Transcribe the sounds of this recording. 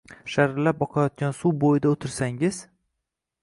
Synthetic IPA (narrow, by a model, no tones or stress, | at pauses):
ʃaɾlap̚bɒqʰɑjɒt̪̚kʲansuwbojɪd̪aot̪ʰɪɾsaŋɪz̥